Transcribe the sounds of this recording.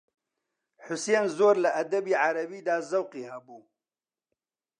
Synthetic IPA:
ħʊseːnzoːɾlaʔɐd̪ɐbiːʕaɾɐbiːd̪aːzawqihɐbuː

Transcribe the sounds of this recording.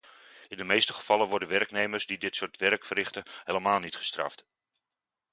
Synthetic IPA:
ɪndəmejstəχəv̥ɑlənʋɔɹdənʋɛrknejmərzdidɪtsʊːɹtʋɛrkfərɪχtənɦeːləmaːlˠnitχə̥strɑ̰ft

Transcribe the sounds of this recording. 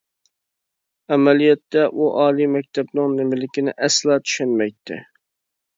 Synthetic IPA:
æmælijɛt̪ʰːɛʔuʔɑːlˠimɛk̚ʲt̪ʰɛbnɪŋnɪmɪlɪkʲɪnɪ̰ʔɛslˠɑːt̪ʰy̥ʃɛnmɛjt̪ʰːɪ̰

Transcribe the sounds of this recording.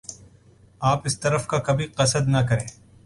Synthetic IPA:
aːpɪst̪ɐɾəfkakɐbʱiqɐsəd̪nɐkɐɾẽẽː

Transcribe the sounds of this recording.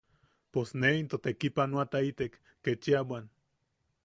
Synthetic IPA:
posneint̪ot̪ekipanoat̪ait̪ekːet͡ʃiawan

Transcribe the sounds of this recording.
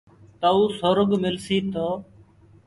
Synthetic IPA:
t̪əuːsoːɾʊɡmɪlsiːt̪oː

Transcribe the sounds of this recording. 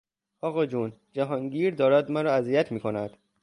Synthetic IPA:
ɒːɣɒːd͡ʒund͡ʒæɦɒːŋɟiːɾd̪ɒːɾæd̪mæɾɒːæzijæt̪ʰmiːkʰo̞næd̪̥

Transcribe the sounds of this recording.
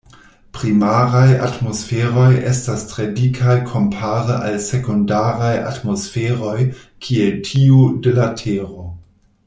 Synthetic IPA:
pɾimaɾaja̰tmo̞sfeɾo̞jḛstastɾedikʰajkʰo̞mpʰaɾəʔalsekondaɾaja̰tmo̞sfeɾo̞j | kʰieltʰiudelatʰeɾo̞

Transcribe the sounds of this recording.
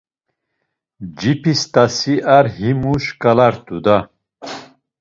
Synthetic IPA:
d͡ʒipʰist̪ʰʼasiʔaɾɦimuʃkʼalaɾt̪ʼud̪a

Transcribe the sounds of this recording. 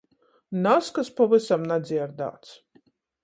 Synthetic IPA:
naskaspavɨsamnad̪zʲiɛɾd̪a̰ːt̪s

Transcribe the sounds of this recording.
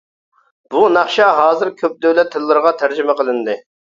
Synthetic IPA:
b̥unɑχʃɑɦɑːzɪɾkʲʰøp̚d̪øwlɛt̪ʰːɪlˠːɨɾʁɑt̪ʰæɾd͡ʒɪmɛqʰəlˠɨnd̪ɨ

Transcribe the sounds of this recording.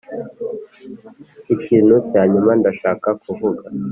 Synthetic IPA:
iciːn̤ucaːɲumandaʃaːkakuvuɡa

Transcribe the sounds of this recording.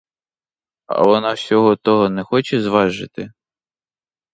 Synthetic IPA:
ɐ̰ʋɔnɑsʲɔɦɔt̪ɔɦɔnɛxɔt͡ʃɛzʋɑʒɪt̪ɪ

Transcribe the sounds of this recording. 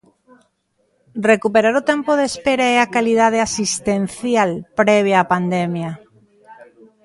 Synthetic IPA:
rekupeɾaɾot̪empoð̞espeɾaeakaliðað̞easist̪ẽn̟θjalpɾeβ̞jaːpand̪emja

